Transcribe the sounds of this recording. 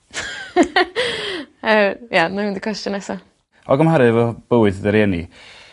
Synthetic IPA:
əjamamɪndikʰwɛstənɛsɔ | ɔɡəmhaɾɨvɔb̥əwɨðdəɾjɛnḭ

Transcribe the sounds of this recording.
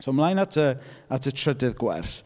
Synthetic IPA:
somlˠajnatʰəatʰətʰr̥ədɨðɡwɛ̰rθ

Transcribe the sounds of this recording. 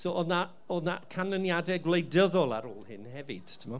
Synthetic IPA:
soːʔɔna | ɔnakʰanənjadɛɡwlˠejdəðɔlˠa̰ɾo̰ːlˠhɪnhɛvɨd̥tʰɪmɔ

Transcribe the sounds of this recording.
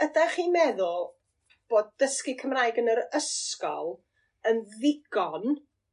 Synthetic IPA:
ədaχiːmɛðʊlˠ | b̥oːd̚dəskɪkʰəmrajɡənəɾəskɔ̰lˠ | ənðɪɡ̥ɔn

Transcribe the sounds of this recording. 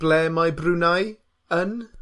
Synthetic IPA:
b̥lɛmajbrʉnaj | ən

